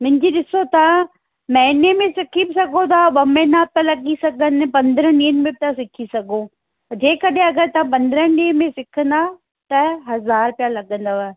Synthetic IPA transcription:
mʊ̃ɦɪ̃ɲd͡ʑiɗɪsot̪ɐaã | mɐɦɪnemẽsɪkʰibɪsɐɡʱot̪ʰaɓɐmẽːnabɪt̪alɐɡisɐɡʱənɪpɐ̃nd̪ɾə̃iːənmẽbɪt̪ʰasɪkʰisɐɡʱo | d͡ʑeːkɐɗẽɐɡəɾt̪ɐãp̬ɐ̃nd̪əɾənɗiːənmẽsɪkʰə̃nd̪a | t̪ɐɦɐzaːɾpjalɐɡə̃nd̪aaːe

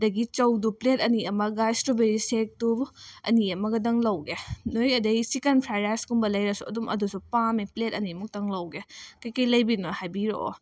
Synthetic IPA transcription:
dɐɡit͡ʃɐwduplet̚ɐniɐmɐɡajstɾobeɾisek̚tuɐ̰niɐmɐɡɐdɐŋlɐwɡenojɐdɐɡisikɐnpʰɾaɾajskumbɐlɐjɾɐsuɐ̰dumɐ̰dusupamiplet̚ɐnimuk̚tɐŋlɐwɡekɐjkɐjlɐjbinohajbiɾoo̰

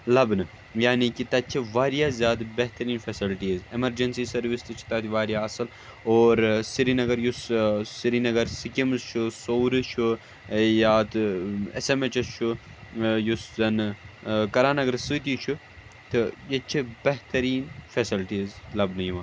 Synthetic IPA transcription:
lɐbnɨ | jaːnikit̪ɐt̪t͡ʃʰiʋaːɾijaːzjaːd̪beɦt̪ɐɾiːnfesilʈiːzemɐɾd͡ʒɐnsisɐɾʋist̪ɨt͡ʃʰi̥t̪ɐt̪iʋaːɾjaːɐsɨl | oːɾsiɾinɐɡɐɾjussiɾinɐɡɐɾsikimst͡ʃʰusoːɾɨt͡ʃʰu | jaːt̪ɨḛsemet͡ʃɐst͡ʃʰu | juszɐnɨkɐɾaːnɐɡɐɾsɨt̪iːt͡ʃʰu | t̪ɨjet͡ʃʰibeɦt̪ɐɾiːnfesilʈiːzlɐbnɨjiʋaː

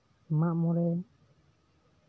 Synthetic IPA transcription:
maʔmɔɾɛ

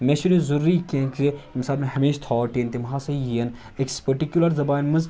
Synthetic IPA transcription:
meːʃunĩzuɾːikẽːkzemsaːlmẽɦɐmeːʃt̪ʰɔːʈeːnt̪imɦaːsɐjiɐn | ekspɐɾʈikjulɐɾzɐbaːnmɐz

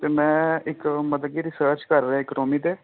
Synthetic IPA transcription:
t̪eːmɛ̃ːɪkməd̪ɡiːɾɪsəːɾt͡ʃkəɾːãɪkɾoːmiːd̪eː

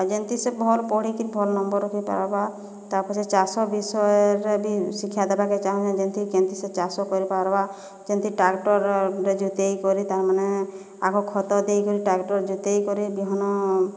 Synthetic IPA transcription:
d͡ʒent̪isebʱɔlpɔɽikiɾbʱɔlnɔmbɔɾɔkʰipa̰ɾba | t̪aɾpɔt͡ʃet͡ʃasɔbisɔjɾebisikʰijad̪ɛbaket͡ʃaɦũt͡ʃad͡ʒent̪ʰikent̪iset͡ʃasɔkɔɾipaɾba | d͡ʒɔnt̪iʈɾakʈɔɾɾed͡ʒut̪ejkɔɾit̪aɾmane | a̰kɔkʰɔt̪ɔd̪ejkɔɾiʈakʈɔɾd͡ʒut̪ejkɔɾibiɦɔnɔ

